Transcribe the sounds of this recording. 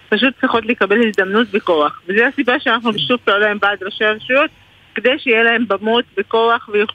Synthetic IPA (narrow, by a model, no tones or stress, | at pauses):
paʃ̬ut̪̚t͡sʁiχo̞t̬lekabe̞lhizd̪amnut̪beko̞aχvezeasibaʃeanaχnubeʃufbeolaembead̪ʁaʃaaʁeʃujo̞t̪̚ | ked̪ejʃeijelahe̞mbamotbeko̞aχvejo